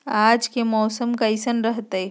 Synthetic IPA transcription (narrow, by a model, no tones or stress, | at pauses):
aːd͡ʒkemɔːsəmkaisənɾəɦt̪ee